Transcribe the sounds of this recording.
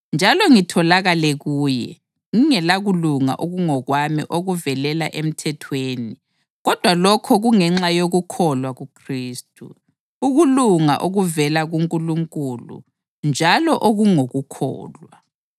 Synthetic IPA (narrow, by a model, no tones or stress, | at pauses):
nd͡ʒʱalɔŋitʰɔlaɣalɛɣuːjɛ̰ | ŋiŋɛlaɣuluŋa̰ʔoɣuŋɔɣwamḭʔoɣuvɛlɛlaʔem̩tʰɛtʰweːni | ɣɔd̥ʱwalɔkʰɔɣuŋɛŋ͡ǁajoɣukʰɔlwaɣukʰriːstʼṵ | uɣuluŋa̰ʔoɣuvɛlaɣuŋkʼuluŋkʼulṵ | nd͡ʒʱalɔʔoɣuŋoɣukʰɔ̰ːlwa